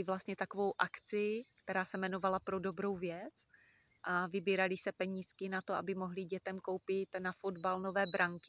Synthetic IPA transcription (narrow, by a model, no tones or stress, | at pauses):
ɪvlast̪ɲɛt̪akovo̞wʔakt͡sɪkt̪ɛɾaːsɛmɛno̞valapɾodo̞bɾo̞wvjɛt͡s | ʔavɪbiːɾalɪsɛpɛɲiːskɪnat̪oʔa̰bɪmo̞ɦlɪɟɛt̪ɛmko̞wpɪt̪nafod̪balno̞vɛːbɾaŋkɪ